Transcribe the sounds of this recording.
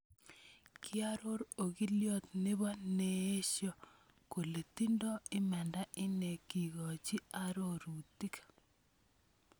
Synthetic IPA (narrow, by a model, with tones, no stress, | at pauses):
kʰɪ˦a˦ɾo˦ɾo˨ɣi˦ljɔ˦t̪nɪ˦βɔ˦nee˦ʃjɔ˦ | ko˨le˨ti˦ndɔ˦ɪ˦mɛ˨nda˦ɪ˦ne˨ki˨ɣɔ˨t͡ʃi˦a˦ɾo˦ɾu˨ti˦kḁ